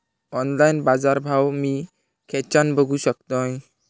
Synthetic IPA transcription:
ɔnlajnbad͡zaɾbʱawmi | kʰɛt͡ʃanbʱəɡusək̚t̪ɔ̃j

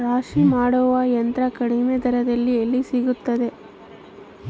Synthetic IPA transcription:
ɾaːʂimaːɽɔːʋɐjɐnt̪ɾɐkɐɽimed̪ʱɐɾɐd̪ɐlːielːisiɡut̪ːɐd̪e̞

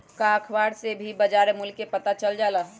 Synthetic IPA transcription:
kakʰbaːɽsebʱibəd͡ʒaːɾemʊlkːepət̪at͡ʃəld͡ʒalaɦ

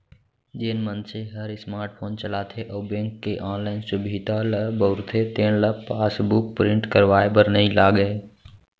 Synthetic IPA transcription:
d͡ʒeːnmə̃nseɦəɾɪsmaːɾʈ̚fʰõːnt͡ʃəlaːt̪ʰeʔɐːbẽːŋkːeʔãːnlaːɪnsʊbʱiːd̪alɐbəʋɾt̪ʰet̪eːɽ̃lɐpaːsbʊk̚pɾɪ̃ɳʈkəɾʋaːebəɾnəĩlaːɡəe

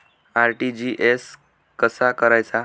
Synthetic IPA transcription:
aɾʈid͡ʑiʔes | kəsakəɾajt͡sa

